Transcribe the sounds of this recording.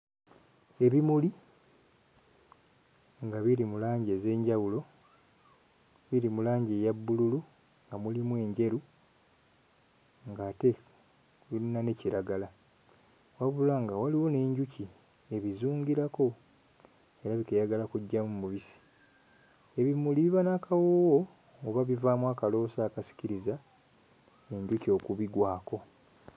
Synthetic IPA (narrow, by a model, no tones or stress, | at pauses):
e̞βimuli | ŋɡaβiɾimulaːɲɟe̞ze̞ːɲɟawulo̞ | βiɾimulaːɲɟe̞jabːululu | ŋɡamulimwe̞ːɲɟe̞ɾu | ŋɡaːte̞ | βilinane̞ciɾaɡala | waβulaŋɡawaliwo̞ne̞ːɲɟuci | e̞βizuːɲɟiɾako̞ | e̞ɾaβikejaɡalakuɟːamumuβisi̥ | e̞βimuliβiβanakawowoː | βaβivaːmwaːkalo̞ːsaːkasi̥ciɾiza | e̞ɲɟucio̞kuβiɡwaːko̞